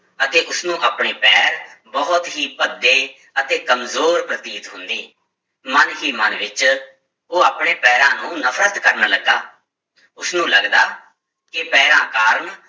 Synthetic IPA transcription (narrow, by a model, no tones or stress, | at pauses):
ət̪eːʔʊsnũːʔaːpɳeːpɛːɾbɔɦt̪ɦiːpəd̪ːeː | ət̪eːkəmzoːɾpɾət̪iːt̪ɦʊ̃nd̪iː | mənɦiːmənʋɪt͡ʃ | oːaːpɳeːpɛːɾãːnũːnəpʰɾət̪kəɾnaːləɡa̰ː | ʊsnũːləɡd̪aː | kɪpɛːɾãːkaːɾəɳ